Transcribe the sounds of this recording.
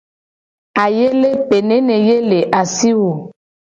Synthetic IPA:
a˨je˦le˦pe˨nẽ˨˦nẽ˨je˦le˨ʔa˨si˦wo˨

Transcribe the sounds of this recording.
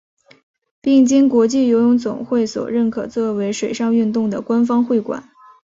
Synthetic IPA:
pi˥˩ŋt͡ɕi˥ŋkwɔ˧˥t͡ɕi˥˩jo˧˥ʊjʊ˧˥ŋt͡sʊ̰˨˩ŋxwe˥˩ɪswɔ̰˨˩ɻə˥˩nkʰɤ˨˩t͡swɔ˥˩we˧˥ɪʂwe˨˩ɪʂɑ˥˧ŋy˥˧nt̪ʊ˥˩ŋd̪ə˩kwa˥nfɑ˥ŋxwe˥˩ɪkwa̰˨˩˦n

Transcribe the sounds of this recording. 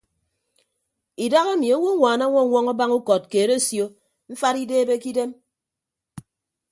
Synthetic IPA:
i˨da˦ɣe˦mi˨a˦wo˦ŋʷaː˨na˦ŋʷɔ˦ŋʷɔ˦ŋa˦ba˦ŋu˦kɔ˨t̚ke˨ɾe˦sjo˦ | ɱ̩˦fa˦ɾi˦deː˦be˦ki˦de˦m

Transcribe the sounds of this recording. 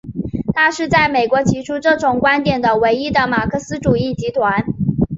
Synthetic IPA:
t̪ʰa˥ʂɻ̩˥˧t͡sa˥˩ɪme˨˩ɪkwɔ˧˥t͡ɕʰi˧˥ʈ͡ʂʰu˥ʈ͡ʂɤ˥˩ʈ͡ʂʊ˨˩ŋkwa˥nt̪jɛ˨˩nd̪ə˦we˧˥ɪi˥d̪ə˨ma˨˩kʰɤ˥˩sɹ̩˥ʈ͡ʂu˨˩i˥˩t͡ɕi˧˥t̪ʰwa˧˥n

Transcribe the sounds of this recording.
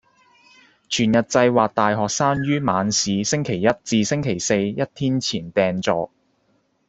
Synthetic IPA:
t͡ʃʰyː˨˩njɐ˨t̚t͡sɐ˧jwaː˨k̚t̪aː˨jɦɔː˨k̚saː˥nɥyː˥maː˨˧nsiː˨˧sɪ˥ŋkʰe˨˩jːɐ˥t̚t͡siː˧sɪ˥ŋkʰe˨˩jse˧jjɐ˥t̚t̪ʰiː˥nt͡sʰiː˨˩nt̪ɛː˨nt͡sɔː˨k̚

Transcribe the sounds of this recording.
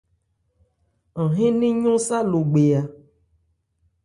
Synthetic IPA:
ɦẽ˦nĩ˦ɲõ˦sa˦lo˨ɡ͡be˨a˨

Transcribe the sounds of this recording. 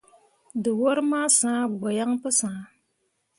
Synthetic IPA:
dɨ˨wɔ˦ɾɨ˦maː˦sãː˦ɡ͡ba˨ja˦ŋpɨ˦sãː˨˦

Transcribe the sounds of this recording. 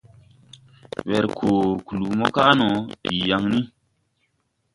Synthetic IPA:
wɛ˨ɾkʰoː˨ku˨lu˨mɔ˦ka˦nɔ̃˨˦di˨ja˧ŋni˦

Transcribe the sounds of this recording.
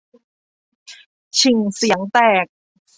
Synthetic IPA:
t͡ɕʰi˨˩ŋsi˩˦əŋt̪ɛː˨˩k̚

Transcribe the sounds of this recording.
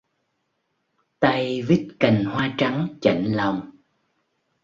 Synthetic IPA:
t̪a˧jvi˦˥t̚ka˨˩jŋ̟hwaː˧t͡ɕa˨˦ŋt͡ɕa̰˧˩jŋlə˨˩wŋ͡m

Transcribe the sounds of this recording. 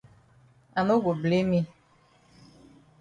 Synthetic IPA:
a˨no˦ɡo˨ble˦mĩ˦

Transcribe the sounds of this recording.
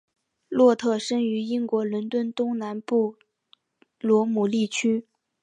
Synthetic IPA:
lwɔ˥˧t̪ʰɤ˥˩ʂə˥ŋy˧˥i˥ŋkwɔ˧˥lʊ˧˥nt̪wə˥˩nt̪ʊ˥ŋna˧˥npu˥˩ | lwɔ˧˥mu˨˩li˥˩t͡ɕʰy˥

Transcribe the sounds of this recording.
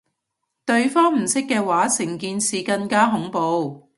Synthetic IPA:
t̪ɵ˧ɥfɔː˥ŋm̩˨˩sɪ˥kːɛː˧waː˨˥sɪ˨˩ŋkiː˧nsiː˨˧kɐ˧nkaː˥ɦʊ˨˥ŋpo˨˧w

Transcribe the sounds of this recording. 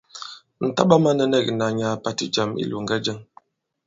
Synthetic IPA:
n̩˨ta˦ɓa˦ma˦nə˦˨nɛ˦˨kna˨ɲa˨pa˨ti˦d͡ʒa˨mḭ˦lu˨ŋɡa˦d͡ʒə˦ŋ

